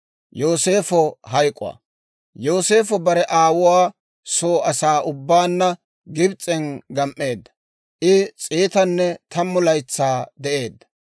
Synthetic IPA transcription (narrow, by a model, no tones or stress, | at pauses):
joːse̞ːfɔɦɐjkʼʊ̰wa̰ | joːse̞ːfɔbɐɾɛʔaːwʊwaː | soːʔɐsaːʔʊbːaːnːɐ | ɡɪbt͡sʼːɛnɡɐmʔːe̞ːd̪ːɐ̥ | ʔɪt͡sʼiːt̪ɐnːɛt̪ʰɐmːʊlɐjt͡sːaːd̪ɛʔe̞ːd̪ːɐ̥